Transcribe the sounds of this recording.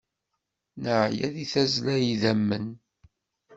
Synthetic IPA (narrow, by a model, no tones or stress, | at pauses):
nəʕjæðiθæzlæjiðæmːən